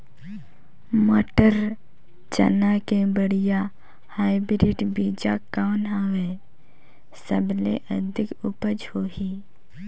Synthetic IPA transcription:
moːʈəɾ | t͡ʃə̰nakebəɽija | haːɪbɾɪʈbiːd͡ʒakaʊnɦaʋe | səblḛʔəd̪ʱɪkʊpəd͡ʒhoːɦiː

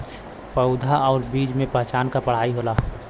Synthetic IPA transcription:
pəʊd̪ʱaʔɔːɾbiːd͡ʒmẽpɛɦt͡ʃaːnkapəɽ̤aːiɦoːlaː

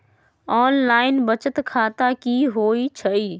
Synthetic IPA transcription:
ɔːnlaːɪnbɐt͡ʃət̪kʰaːt̪akiːɦoːit͡ɕʰɐiː

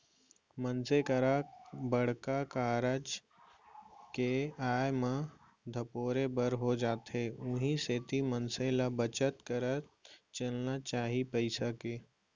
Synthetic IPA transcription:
mənsekəɾabəɽ̤kakaːɾəd͡ʒ | keaːjmã | d̪ʱəpoːɾebəɾɦod͡ʒaːt̪ɦeːʊ̃ɦiseːt̪imənselabət͡ʃət̪kəɾət͡ʃəlnat͡ʃaːɦipəɪsakeː

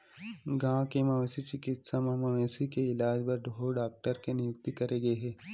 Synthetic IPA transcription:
ɡãːkemɐʋeːsit͡ʃɪkɪt̪samɐmɐʋẽːsikeɪlaːd͡ʒpɐɾɖ̪ʱoːɖaːk̚ʈəɾkenɪjʊk̚t̪ikɐɾeɡɐeɦɛː

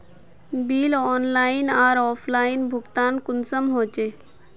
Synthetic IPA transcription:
biːlɔːnlaːɪnaːɾɔːpʰlaːɪnbʱʊɡt̪aːnkʊnsəmɦoːt͡ʃeː

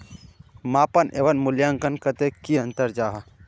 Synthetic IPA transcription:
mapənʔḛbənmuljaŋkənkət̪ekiənt̪əɾd͡ʒaɦə

